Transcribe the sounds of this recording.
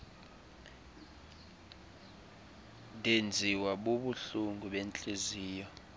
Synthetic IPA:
ndʱend͡zʱiwaɓoɓuɬuŋɡʱuɓɛnt͡ɬʼeziːjɔ

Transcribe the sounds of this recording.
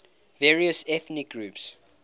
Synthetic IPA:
vɛːɹiəsɛθnik̚ɡɹuːps

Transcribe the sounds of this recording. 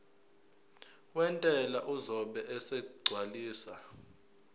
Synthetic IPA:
wɛntʼɛlaʔuzɔɓɛʔɛsɛɡ͡ǀʱwaliːsa̰

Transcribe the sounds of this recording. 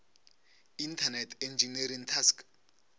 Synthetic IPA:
intʰanɛtʰɛnd͡ʒinɛɾiŋtʰask

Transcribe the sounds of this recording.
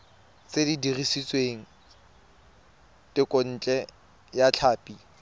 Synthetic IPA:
t͡sedidirisit͡sʼweŋ̩ | tʼɪkʼon̩ːt͡ɬʼɛ | jat͡ɬʰaːpʼi

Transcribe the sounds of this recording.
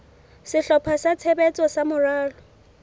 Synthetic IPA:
sɪɬɔpʰasat͡sʰebɛt͡sʼɔsamʊraːlɔ

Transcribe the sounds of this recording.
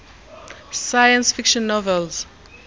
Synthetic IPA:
sajãnsfikʃɔ̃nːɔvɛlz̥

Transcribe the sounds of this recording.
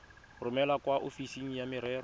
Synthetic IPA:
rʊmɛlakwaʔofisiŋ̩jamɪɾɛːrɔ

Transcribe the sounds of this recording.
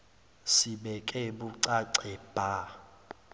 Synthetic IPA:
siɓɛkʼɛɓuǀaǀɛb̥ʱa

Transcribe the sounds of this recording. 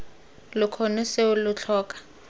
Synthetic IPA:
lʊkʰɔnʊseʊlʊt͡ɬʰɔːkʼḁ

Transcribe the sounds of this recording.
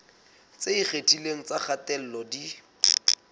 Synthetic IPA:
t͡seik͡xetʼileŋ̩t͡saχatɛl̩lɔdi

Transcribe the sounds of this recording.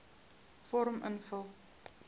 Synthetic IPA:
fɔɾəmʔə̰nfəlˠ

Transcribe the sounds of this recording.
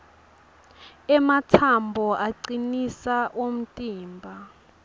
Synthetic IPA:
ɛmatʰambʱɔʔaǀinisaʔom̩tʼiːmbʱa

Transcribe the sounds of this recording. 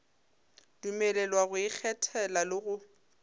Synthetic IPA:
dumɛlɛlwaɣʊik͡xʰɛtʰɛlalɪɣʊ

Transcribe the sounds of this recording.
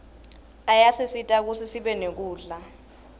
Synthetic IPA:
ajasisitʼak̬usʰisiɓɛnek̬uːɮa

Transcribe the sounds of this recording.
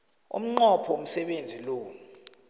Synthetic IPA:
ṵm̩ŋ͡ǃɔpʰɔwom̩sɛɓend͡zʱiloː

